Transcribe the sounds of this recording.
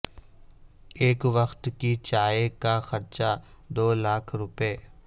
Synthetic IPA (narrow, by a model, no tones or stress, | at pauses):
eːkʋəxt̪kit͡ʃaːekaxɐɾt͡ʃa | d̪oːlaːkʰɾʊpeː